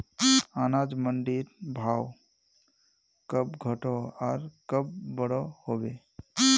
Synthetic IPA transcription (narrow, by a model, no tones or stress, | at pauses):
anad͡ʒməɳɖiɾbʱaw | kəbɡʱəʈɔaːɾkəbːəɽɔhobe